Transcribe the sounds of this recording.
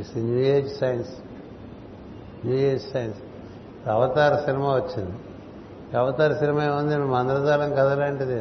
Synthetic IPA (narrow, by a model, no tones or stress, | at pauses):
sinuːjeːd͡ʒsɐjɐns | nuːjeːd͡ʒsɐjɐns | ɐʋɐt̪aːɾɐsinimaʋɐt͡ʃːind̪i | ɐʋɐt̪aːɾɐsinimaeund̪enumɐnd̪ɾɐd̪aːlɐŋkɐd̪ɐlaɳʈid̪i